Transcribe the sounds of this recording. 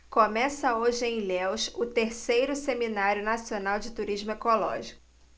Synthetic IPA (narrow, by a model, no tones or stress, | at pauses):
komɛsɐoʒɪẽj̃lɛwʃʊt̪eɾsejɾʊseminaɾjʊnasionawd͡ʒɪt̪uɾiʒmʊekolɔ̰ʒikʊʊ